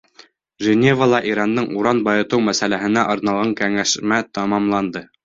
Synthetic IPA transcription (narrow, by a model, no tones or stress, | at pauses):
ʒɘ̆nʲevəlˠɑʔiɾɑnd̪ɤɴuɾɑnbɑjɤ̆t̪ɤwmæsælæɦɘ̆næʔŏɾnɑlˠʁɑŋkæŋæʃmæt̪ɑmɑmlˠɑnd̪ɤ